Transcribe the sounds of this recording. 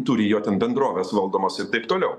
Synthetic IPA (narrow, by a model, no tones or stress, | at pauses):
t̪ʊɾʲɪjoːt̪ʲɛnbʲɛnd̪ɾoːʋʲɛːsʋɐlˠd̪oːmoːsɪɾt̪ɐɪpt̪oːlʲɛʊ